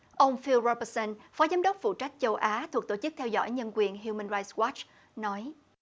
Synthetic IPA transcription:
ʔə˧wŋ͡mfi˧lɹɔ˧pə˧sə˧nfɔ˨˦zaː˨˦mɗə˦˥wk͡p̚fṵ˧˨t͡ɕa˦˥jk̟̚t͡ɕə˧wʔaː˨˦t̪ʰu˨˩k̚t̪o˧˩t͡ɕɨ˦˥k̚t̪ʰɛ˧wzɔ̰˧˥jɲə˧nkwi˨˩ənɦju˧mə˧nɹaː˧jt̚swa˦˥t͡ɕ | nɔ˨˦j

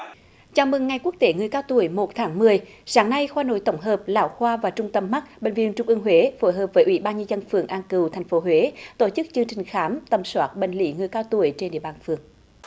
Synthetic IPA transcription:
t͡ɕaː˧˩wmɨ˨˩ŋːa˨˩jku˦˥ək̚t̪e˨˦ŋɨ˨˩əjkaː˧wt̪u˧˩əjmo˨˩t̚t̪ʰaː˨˦ŋmɨ˨˩əjsaː˨˦ŋna˧jxwaː˧no̰˧˨jt̪ə˧˩wŋ͡mɦəː˨˩p̚la̰ː˧˩wxwaː˧vaː˨˩t͡ɕʊ˧ŋ͡mt̪ə˧mːa˦˥t̚ɓḛ˧˨ŋvi˧ənt͡ɕʊ˧˩ŋ͡mʔɨ˧əŋɦwe˨˦fo˧˩˦jɦəː˨˩p̚vəː˨˦jʔwḭ˧˩ɓaː˧nɲɨ˧zə˧nfɨ˨˩əŋʔaː˧nkɨ˨˩wt̪ʰɛ˨˩jŋ̟fo˨˦ɦwe˨˦t̪o˧˩t͡ɕɨ˦˥k̚t͡ɕɨ˧ŋt͡ɕï˨˩ŋ̟xaː˨˦mt̪ə˧˩mswaː˦˥t̚ɓḛ˧˨ŋ̟lḭ˧˥ŋɨ˨˩əjkaː˧wt̪u˧˩əjt͡ɕe˧nɗḭ˧˨əɓaː˧˩nfɨ˨˩əŋ

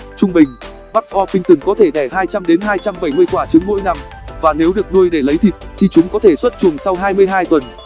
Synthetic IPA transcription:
t͡ɕʊ˧ŋ͡mɓï˨˩ŋ̟ | ɓa˦˥k̚ʔɔ˧fï˧ŋt̪ɨ˨˧˩ŋkɔ˨˦t̪ʰe˧˩ɗɛ˧˩ɦaː˧jt͡ɕa˧mɗe˨˦nɦaː˧jt͡ɕa˧mɓə˧˩jmɨ˧əjkwaː˧˩t͡ɕɨ˨˦əŋːmo̰˧˥jna˧m | vaː˨˩ne˨˦wɗɨ˨˩ək̚ɗu˧əjɗe˧˩lə˨˦jt̪ʰi˨˩t̚t̪ʰi˨˩t͡ɕʊ˨˦ŋ͡mkɔ˨˦t̪ʰe˧˩swə˦˥t̚t͡ɕu˨˩əŋsa˧wɦaː˧jmɨ˧əjɦaː˧jt̪wə˨˩n

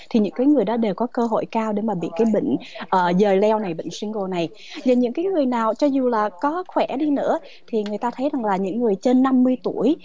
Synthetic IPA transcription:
t̪ʰi˨˩ɲɨ̰˧˥ŋkaː˨˦jŋɨ˨˩əjɗɔ˨˦ɗe˨˩wkɔ˨˦kəː˧ɦo̰˧˨jkaː˧wɗe˨˦maː˨˩ɓḭ˧˨kaː˨˦jɓə̰˧˨ŋ̟ʔəː˨˩zəː˨˩lɛ˧wna˨˩jɓə̰˧˨ŋ̟swi˧ŋ̟ko˨˩na˨˩j | zaː˨˩ɲɨ̰˧˥ŋkaː˨˦jŋɨ˨˩əjnaː˨˩wt͡ɕɔ˧zu˨˩laː˨˩kɔ˨˦xwɛ˧˩ɗi˧nɨ̰˧˥ə | t̪ʰi˨˩ŋɨ˨˩əjt̪aː˧t̪ʰə˨˦jza˨˩ŋlaː˨˩ɲɨ̰˧˥ŋːɨ˨˩əjt͡ɕe˧nːa˧mːɨ˧əjt̪u˧˩əj

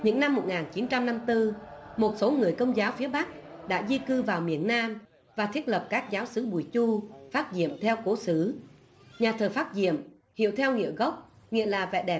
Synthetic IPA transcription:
ɲɨ̰˧˥ŋna˧mːo˨˩t̚ŋaː˨˩nt͡ɕi˨˦nt͡ɕa˧mna˧mt̪ɨ˧mo˨˩t̚so˨˦ŋɨ˨˩əjkə˧wŋ͡mzaː˨˦wfi˨˦əɓa˦˥k̚ɗa̰ː˧˥zi˧kɨ˧vaː˨˩wmḭ˧˩ənːaː˧m | vaː˨˩t̪ʰi˦˥ət̚lə˨˩p̚kaː˦˥k̚zaː˨˦wsɨ˨˦ɓu˨˩jt͡ɕu˧faː˦˥t̚zḭ˧˨əmt̪ʰɛ˧wko˨˦sɨ˨˦ | ɲaː˨˩t̪ʰəː˨˩faː˦˥t̚zḭ˧˨əm | hḭ˧˨əwt̪ʰɛ˧wŋḭ˧˨əɣə˦˥wk͡p̚ | ŋḭ˧˨əlaː˨˩vɛ̰˧˨ɗɛ˨˩

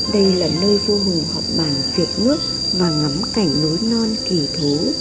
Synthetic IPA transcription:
ɗə˧jlaː˨˩nəː˧jvo˧ɦʊ˨˩ŋhɔ̰˨˩wk͡p̚ɓaː˧˩nt͡ɕwi˨˩ət̚nɨ˦˥ək̚ | vaː˨˩ŋa˨˦mka˧˩jŋ̟no˨˦jnɔ˧nki˧˩t̪ʰu˨˦

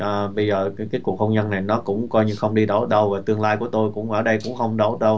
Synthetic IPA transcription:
ʔəː˨˩ɓə˧jzəː˨˩kaː˨˦jku˨˩ək̚xə˧wŋ͡mzə˧nːa˨˩jnɔ˨˦kʊ̰˧˥ŋ͡mkɔ˧jɲɨ˧xə˧wŋ͡mɗi˧ɗo˧˩ɗə˧wvaː˨˩t̪ɨ˧əŋlaː˧jku˧˩ət̪o˧jkʊ̰˧˥ŋ͡mʔəː˧˩ɗə˧jkʊ̰˧˥ŋ͡mxə˧wŋ͡mɗo˧˩ɗə˧w

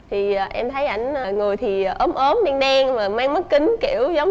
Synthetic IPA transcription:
t̪ʰi˨˩˨ʔɛ˧mt̪ʰə˨˦jʔa˧˩jŋ̟ː˨˩ŋo˨˩jt̪ʰi˨˩˨ʔəː˨˦mʔəː˨˦mɗa˧ŋɗɛ˧ŋmaː˨˩maː˧ŋmə˦˥t̚kï˨˦ŋ̟kḭ˧˩˨əwzə˨˦wŋ͡m

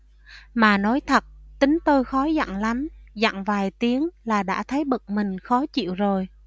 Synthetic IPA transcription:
maː˨˩nɔ˨˦jt̪ʰə˨˩t̚t̪ï˨˦ŋ̟t̪o˧jxɔ˨˦za̰˧˨ŋla˨˦mza̰˧˨ŋvaː˨˩jt̪i˨˦əŋlaː˨˩ɗa̰ː˧˥t̪ʰə˨˦jɓə˨˩t̚mï˨˩ŋ̟xɔ˨˦t͡ɕḭ˧˨əwzo˨˩j

